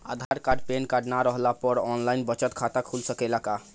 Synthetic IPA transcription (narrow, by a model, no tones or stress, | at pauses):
a̰d̪ʱaɾkaɖpenkaɖnaɾəɦlapəɾɔnlajnbət͡ʃət̪kʰat̪akʰulsəkɛlaka